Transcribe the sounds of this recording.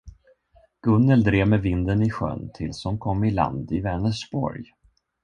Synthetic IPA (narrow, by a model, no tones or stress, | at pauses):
ɡ̥ɵnːəld̪ɾeːvmɛvɪnd̪ənɪɧœ̰nt̪ʰɪlshɔnkʰɔmːɪla̰nd̪ɪvɛnəʂbɔ̰ɾj